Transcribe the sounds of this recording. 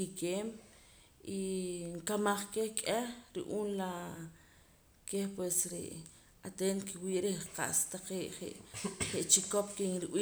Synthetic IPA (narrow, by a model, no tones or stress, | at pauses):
kikeːm | ʔiŋkamaχkehkʼehɾḭʔuːnla | kehpwesɾḛʔ | at̪ent̪kiwiːʔɾehqa̰ʔst̪aqeːʔχḛʔχeʔt͡ʃikop̚kiŋɾiwiː